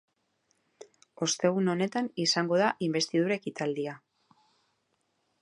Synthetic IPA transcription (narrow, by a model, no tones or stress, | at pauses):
o̞st̪e̞ɣ̞uno̞ne̞t̪anisaŋɡo̞ð̞aʔimbe̞st̪ið̞uɾaekit̪ald̪ia